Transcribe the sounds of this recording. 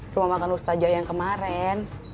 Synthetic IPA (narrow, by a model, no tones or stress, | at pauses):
rumamakanust̪ad͡ʒajaŋkəmaɾɛn